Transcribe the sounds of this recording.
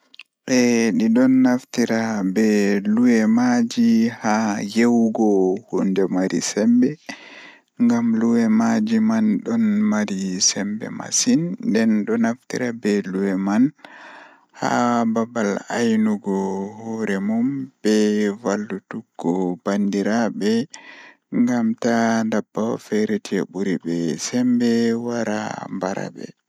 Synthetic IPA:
ɓɛɗiɗɔnːaftiɾabɛluwɛmad͡ʒihajewɡɔhundɛmaɾḭsɛmbɛ | ŋɡamluwɛmad͡ʒimanɗɔnmaɾisɛmbɛ̰ma̰sindɛnɗɔnaftḭɾabɛluwɛman | ha̰babalajnuɡɔhɔɾɛmumb̥ɛvalːutuɡɔbandiɾabɛ | ŋɡamtandabːawfɛɾetiɛ̰buɾibɛsɛmbɛwaɾa̰mbaɾa̰bɛ̰

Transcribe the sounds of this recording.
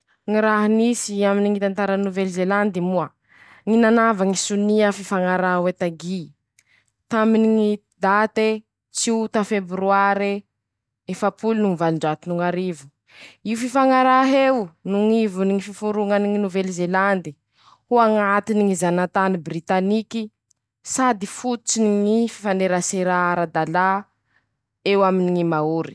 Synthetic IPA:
ŋiɾaɦinisiaminiŋit̪ant̪aɾanuvelzeland̪imua | ŋinanavaŋisuniəfifaŋaɾawet̪aɡi | t̪aminiŋi | d̪at̪e | t͡siut̪afebɾuaɾe | efapʰulunuŋivalɳɖ͡ʐat̪inuŋaɾivu̥ | iufifaŋaɾaɦewnuŋivuniŋififuɾuŋaniŋinuvelizeland̪i̥ | huaŋat̪iniŋizanat̪anibrit̪aniki | sad̪ifut̪ut͡siniŋififaneɾaseɾaaɾad̪ala | ewaminiŋimauɾi̥

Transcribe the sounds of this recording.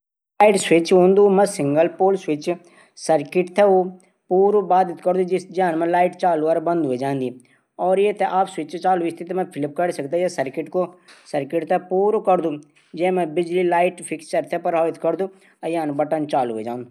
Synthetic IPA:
laːɪʈsɪt͡ʃɦõːnd̪uːmɛ̃ːsɪŋɡəlpoːlswɪt͡ʃ | səɾkɪʈt̪ʰɛo | puːɾobaːd̪ɪt̪ʰkəɾd̪ũːd͡ʒɪsd͡ʒãːnmɛ̃ːlaːɪʈt͡ʃaːluːəɾbə̃nd̪ɦoeːd͡ʒãːnd̪i | ɔːɾjeːt̪ɛʔaːpswɪt͡ʃt͡ʃaːlːɪst̪ʰit̪emɛ̃ːpʰɪlɪp̚kəɽisək̚d̪aːd͡ʒeːsəɾkɪʈkoːsəɾkɪʈt̪ɛːpuːɾokəɾd̪ũː | d͡ʒɛːmɛ̃ːbɪd͡ʒliːlaːɪʈpʰɪkst͡ʃəɾt̪ʰɛːpəɾaːɪt̪ʰkəɾd̪uː | əjaːnbəʈənt͡ʃaːlɦeːd͡ʒãːnd̪u

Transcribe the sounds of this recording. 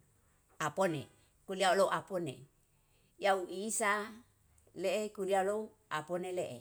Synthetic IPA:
aponḛ | kuliaolowʔaponḛ | jauʔisa | leʔekuliaolou | aponeleʔḛ

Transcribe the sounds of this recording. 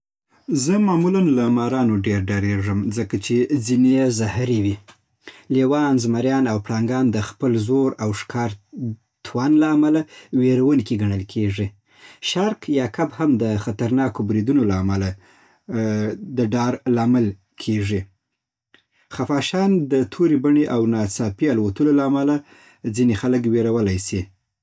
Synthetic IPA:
zəmɑmulanlamɑɾɑnoɖeɾɖɑɾeʐəmzəkat͡ʃezinezahɾiwi | lewɑnzmaɾjɑnawpɽɑŋɡɑnd̪əxpəlzoɾawʂkʰɑɾ | t̪wanlaːmalaweɾwənkiɡaɳəlkʰeʐi | ʃaɾkjɑkabhamd̪əxat̪aɾnɑkobɾid̪unolaːmala | d̪əɖɑɾlɑmɪl | kʰeʐi | xafɑʃɑnd̪ət̪ʰoɾibaɳeʔawnɑt͡sɑpialwat̪əlolaːmala | d͡zinexaləkweɾawəlajsi

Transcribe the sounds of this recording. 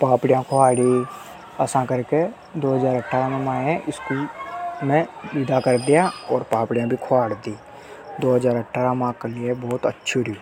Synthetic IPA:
paːpɽɪjãkʰoaːɽi | əsãkəɾke | d̪oːɦəzaːɾəʈʰːaːɾamẽmaːẽʔɪskimɛ̃ʋɪd̪akəɾd̪ɪjãɔːɾpaːpɽɪjãbʱikʰoaːɽd̪iː | d̪oːɦəzaːɾəʈʰːaːɾãmãːkelɪebɔːt̪ətːʃʰuɾi

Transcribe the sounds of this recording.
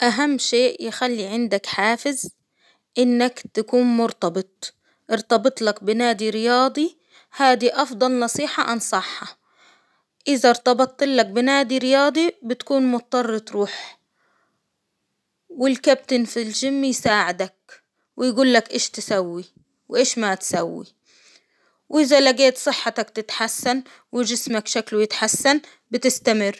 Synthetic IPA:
ʔaɦamːʃeːʔjɪxalːiʕɪnd̪akħaːfɪz | ʔɪnːakt̪akuːnmʊɾt̪ɑbɨt̪̚ˤ | ʔɪɾt̪ɑbɨt̪ˤlakbɪnaːd̪iɾɪjɑːd̪ˤi | haːd̪iʔɑfd̪ˤɑlnɑsˤiːħɑʔansˤɑħːɑ | ʔɪðaɾˤt̪ɑbɑt̪ˤʔɪlːak̚bɪnaːd̪iɾɪjɑːd̪ˤibɪt̪kuːnmʊt̪ɑt̪ˤːɑrˤːɑt̪ˤɾuːħ | wɪlkab̚t̪ɪnfilʒɪmːjsaːʕɪd̪ak̚ | wɪjɡuːlːakʔeːʃt̪ɪsawːi | wʔeːʃmat̪sawːḭ | wʔɪðalaɡeːt̪sˤɨħːat̪akt̪ɪt̪ħasːan | wɪʒɪsmakʃaklujɪt̪ħasːan | bɪt̪ɪst̪amɪrː

